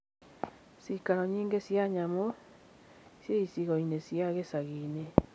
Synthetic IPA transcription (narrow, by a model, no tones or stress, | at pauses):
sikaɾɔɲiːŋɡesjaɲamo | sjeisiɣɔinesjaɣesaɣiːne